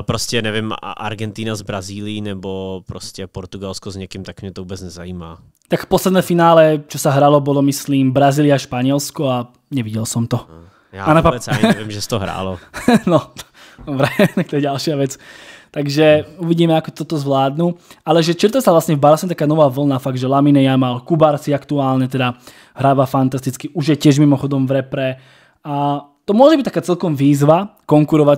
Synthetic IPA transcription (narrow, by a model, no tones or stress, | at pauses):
pɾɔscɛnɛvɪmʔa̰ɾɡɛnt̪iːnazbɾaziːlijinɛbopɾɔscɛpɔɾt̪uɡalskɔzɲɛkimt̪akmɲɛt̪oɔvuːbɛt͡snɛzaiːma̰ː | t̪akfpɔslɛd̪nɛːfinaːlɛt͡ʃɔsaɦɾalɔbɔlɔmisliːmbɾaziːlɪaʃpaɲɪɛlskɔa | ɲɛʋiɟɛlsɔmt̪ɔ | anaavɪmʒɛsɛ̥t̪ɔɦɾa̰ːlɔnɔ | vɾɛɛnak̚t̪ɔjɛɟalʃɪaʋɛt͡st̪aɡʒɛuʋiɟiːmɛakɔt̪ɔt̪ɔzʋlaːd̪nualɛʒɛt͡ʃiɾt̪ɛsavlasɲɛvbaɾasɔmɛt̪akaːnɔʋaːʋl̩naːfaɡ̚ʒɛlaminɛjamalkubaɾsiakt̪uaːlɲɛt̪ɛd̪a | ɦɾaːʋafant̪ast̪it͡skiʔuʒjɛcɪɛʒmimɔxɔd̪ɔmvɾɛpɾɛ | at̪ɔmʊɔʒɛbic̚t̪akaːt͡sɛlkɔmʋiːzʋakɔŋkuɾɔʋa